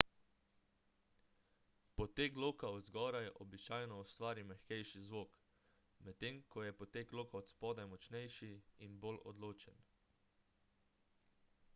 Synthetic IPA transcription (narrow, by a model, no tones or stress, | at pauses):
pɔt̪ekloːkaɔd̪zɡɔːɾajɛʔɔbit͡ʃaːjnɔɔst̪ʋaːɾimɛxkɛjʃizʋoːk | mɛt̪ːemkɔjɛpɔt̪eːkloːkaɔt̪spɔːd̪ɛmɔt͡ʃnɛjʃiinbolɔ̰d̪loːt͡ʃɛn